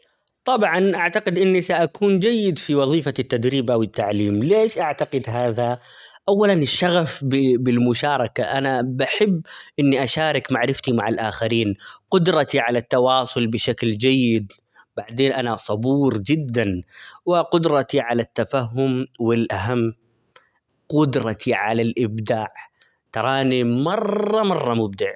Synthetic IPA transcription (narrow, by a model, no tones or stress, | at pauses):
t̪ˤɑbʕɑnʔaʕt̪aqɪd̪ʔɪnːisaʔakuːnd͡ʒajːɪd̪fiwɑðˤiːfat̪ːad̪ɾiːbawɪt̪ːaʕliːmleːʃʔaʕt̪aqɪd̪ɦaːðaʔawːalanɪʃːaɣafbɪbɪlmʊʃaːɾˤɑkaʔanabaħɪbːʔɪnːiʔaʃaːɾˤɪkmaʕɾɪft̪imaʕalʔaːxaɾiːnqʊd̪ɾˤɑt̪iʕalat̪ːɑwɑːsˤʊlbɪʃakld͡ʒajːɪd̪ | b̥aʕd̪eːnʔanasˤɑbuːɾd͡ʒɪd̪ːanwɪqʊd̪ɾˤɑt̪iʕalat̪ːafaɦːʊmwɪlʔaɦamː | qʊd̪ɾˤɑt̪ʰiʕalalʔɪbd̪aːʕ | t̪ɑɾˤɑːnimɑrˤːɑmɑrˤːɑmʊb̚d̪ɪʕ